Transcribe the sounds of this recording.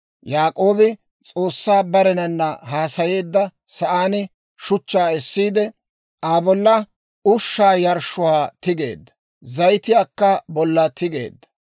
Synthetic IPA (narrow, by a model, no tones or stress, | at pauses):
jaːkʼo̞ːbɪ | t͡sʼo̞ːsːaːbɐɾɛnɐnːɐɦaːsɐje̞ːd̪ːɐ | sɐʔaːnɪ | ʃʊt͡ʃːaːɛsːiːd̪ɛ | ʔaːbɔlːɐ | ʊʃːaːjɐɾʃʊwaːt̪ɪɡe̞̰ːd̪ːɐ̥ | zɐjt̪ɪjaːkːɐbɔlːɐt̪ʰɪɡe̞̰ːd̪ːɐ̥